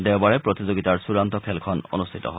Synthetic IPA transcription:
d̪ɛwbaɹepɾot̪id͡ʑoɡit̪aɹsuɾant̪ɔkʰelkʰɔno̰nust̪ʰit̪ɔ̰ɦ

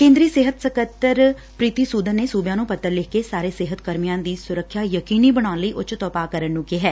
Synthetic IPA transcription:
kẽːnd̪ɾiːseːɦət̪səkət̪ːəɾ | pɾiːt̪iːsuːd̪ənːeːsuːbjãːnũːpət̪ːəɾlɪkeːsaːɾeːseːɦət̪kəɾmijãːd̪iːsʊɾəkʰːjaːjəkiːniːbəɽ̃aːnləiːʔʊt͡ʃt̪ɔːpaːkəɾənːũːkeːɦɛː

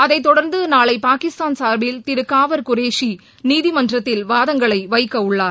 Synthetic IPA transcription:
ɐðɐɪt̪ːɔɽɐɾnd̪ɯnaːɭɐɪpaːkɪst̪aːnsaːɾbɪlt̪ɪɾɯkːaːʋɐɾkʊɾeːʂi | niːðimɐndrɐt̪ːɪlʋaːðɐŋɡɐɭɐɪʋɐɪkːɐʊɭːaːɾ

